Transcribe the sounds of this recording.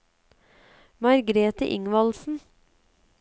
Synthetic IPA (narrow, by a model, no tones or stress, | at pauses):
mɑɾɡɾeːt̪əʔɪ̰ŋʋɑlsn̩